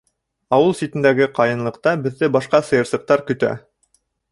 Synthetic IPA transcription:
ɑwɤlˠsʲit̪ɘ̆nd̪æɡɘqɑjɤ̆nlˠɤ̆qt̪ɑbɘ̆ðːɘbɑʃqɑsɤ̆jɤ̆ɾsˠɤ̆q̚t̪ɑɾkɵ̆t̪æ̰

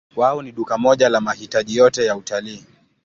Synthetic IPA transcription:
kwaɔniɗukamɔʄalamahitaʄijɔtɛjautaliː

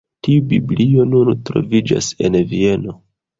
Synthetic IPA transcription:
tiubiblio̞nuntɾo̞̰vid͡ʒa̰se̞nvie̞no̞

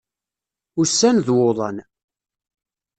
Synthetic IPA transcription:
ʊsːænðwoðˤɑn

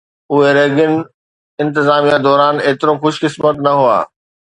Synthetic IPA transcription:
ʊɦeɾeːɡɪnɪ̆ | ɪ̃nt̪ɪzaːmijad̪ɔːɾaːneːt̪ɪɾoxʊʃkɪsmət̪nɐɦʊa̰ː

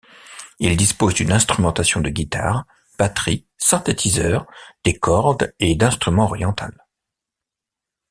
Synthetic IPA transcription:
ild̪ispozd̪ynɛ̃st̪χymɑ̃t̪asjɔ̃d̪əɡʲit̪a̰ʁ | b̥at̪χi | sɛ̃t̪et̪ʰizœʁd̪̥ekɔʁd̪ed̪ɛ̃st̪χymɑ̃ɔʁjɑ̃t̪a̰l

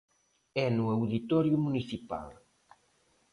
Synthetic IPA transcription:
ɛnuewðit̪ɔɾjumuniθipa̰l

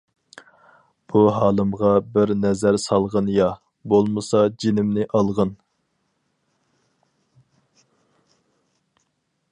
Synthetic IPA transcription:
b̥uɦɑːlˠɨmʁɑbɪɾnɛzæɾsɑlˠʁənjɑ | bolˠmɨsɑd͡ʒinɪmnɪʔɑlˠʁən

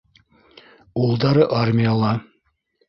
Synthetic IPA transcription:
ulˠd̪ɑɾɤʔarmʲijalˠɑ

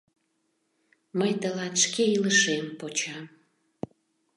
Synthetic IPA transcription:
məjt̪əlɑt̪ʃkeiləʃempot͡ɕɑm

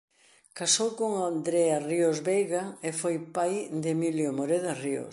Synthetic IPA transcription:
kasowkoŋand̪ɾeariozβejɣaefojpajd̪emiljomoɾeðario̰s

